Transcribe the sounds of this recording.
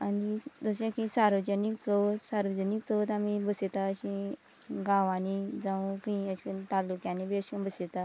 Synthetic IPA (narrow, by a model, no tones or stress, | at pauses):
anid͡zəɕekisaɾʋəd͡ʑənikt͡sət̪saɾʋəd͡ʑənikt͡səʋt̪amibəset̪aəɕĩ | ɡaʋãnid͡zaũkĩiəɕt̪alːukjãnebeɕunbəset̪a